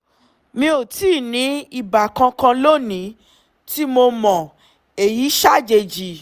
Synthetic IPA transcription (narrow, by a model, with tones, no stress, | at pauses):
mĩ˧˦o˨tiː˦˨nĩ˨˦i˨ba˨kã˧kã˧lo˦nĩ˨˦ | ti˦mo˧mɔ̃˨ | e˨ji˨˦ʃa˦˨d͡ʒe˧d͡ʒi˧˨